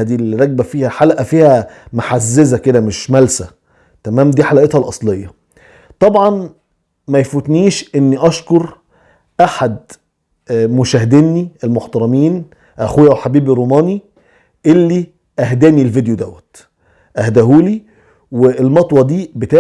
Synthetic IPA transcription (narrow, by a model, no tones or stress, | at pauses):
d̪iːlɾˤɑɡ̚bæfiːhæħalʔæfiːhæmaħazːezæked̪æmeʃmælsæ | t̪æmæːmd̪iːħalæʔet̪hɑlʔɑsˤlejːɑ | t̪ˤɑbʕɑn | mæjfut̪niːʃʔenːiʔɑʃkoɾ | ʔaħad̪ | moʃæːɦed̪inːiʔelmoħt̪ɑɾˤɑmiːn | ʔæxujːæwħabiːbiɾuːmɑːni | ʔelːi | ʔæhd̪æːnilved̪jod̪æwːæt̪ | ʔæhd̪æɦuːli | weelmɑt̪ˤwɑd̪iːbet̪aː